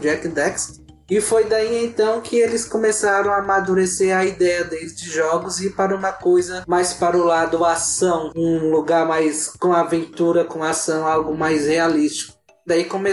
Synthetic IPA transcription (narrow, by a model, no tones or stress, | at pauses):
d͡ʒɛkid̪ɛks | ɪfojd̪aiẽnt̪ɐ̃w̃kʰɪelɪskõmesaɾɐ̃w̃amad̪uɾeseɾɐid̪ɛjɐd̪eld͡ʒɪʒɔɡʊzɪpaɾɐũmɐkojzɐmajspaɾʊlad̪ʊasɐ̃w̃ũluɡaɾmajskõw̃avẽnt̪uɾɐkõasɐ̃w̃awɡʊmajshealist͡ʃi̥kʊ | d̪aikõme